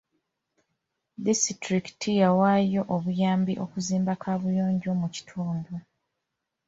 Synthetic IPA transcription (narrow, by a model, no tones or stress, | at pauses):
disitɾiktʰijawaːjo̞ʔoβujaːmbiʔo̞kuziːmbakʰaːβujoːɲɟomuci̥tʰuːndu